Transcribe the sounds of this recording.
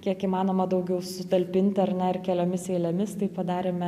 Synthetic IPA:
kʲiɛkiːmɑːnoːmɐd̪ɐʊɡʲɛʊsʊt̪ɐlʲpʲɪnʲt̪ʲɪɐrnʲɛɪrkʲɛlʲoːmʲɪseɪlʲɛmʲɪst̪ɐɪpɐd̪ɑːɾʲeːmʲɛ

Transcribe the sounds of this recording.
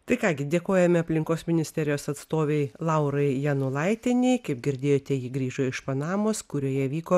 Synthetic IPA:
t̪ɐɪkɑːɡʲɪd̪ʲeːkoːjɛmʲɛɐpʲlʲɪŋkoːsmʲɪnʲɪsʲt̪ʲɛɾʲɪjoːsɐt̪st̪oːʋʲɛɪlˠɐʊɾɐɪjɛnʊlˠɐɪt̪ʲenʲɛkɐɪp̚ɡʲɪɾʲd̪ʲeːjoːt̪ʲɛjiːɡɾʲiːʒoːɪʃpɐnɑːmoːskʊɾʲoːjɛʋʲiːkoː

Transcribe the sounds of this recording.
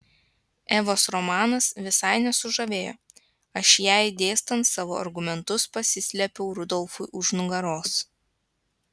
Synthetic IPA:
ɛːʋoːsɾɔmɑːnɐsʋʲɪsɐɪnʲɛsʊʒɐʋʲeːjo̰ː | ɐʃjæˑɪd̪ʲeːst̪ɐnt̪sɑːʋo̰ːʔɐ̰ɾɡʊmʲɛnt̪ʊspɐsʲɪsʲlʲɛpʲɛʊɾʊd̪ɔlˠfʊɪʔʊʒnʊɡɐɾoːs

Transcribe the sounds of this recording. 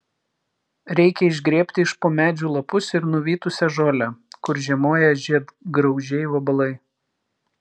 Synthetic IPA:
ɾʲɛɪkʲɛɪʒʲɡɾʲeːpʲt̪ʲɪɪʃpoːmʲæːd͡ʒʲuːlˠɐpʊsɪɾnʊʋʲiːt̪ʊsʲɛʒoːlʲækʊɾʒʲiɛmoːjɛʒʲiɛd̪ɡɾɒʊʒʲɛɪʋɐbɐlˠɐɪ

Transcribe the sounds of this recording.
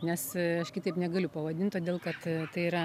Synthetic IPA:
nʲɛsɐʃkʲɪt̪ɐɪpnʲɛɡɐlʲʊpɐʋɐd̪ʲɪnt̪t̪oːd̪ʲeːlˠkɐt̪t̪ɐɪiɾɐ

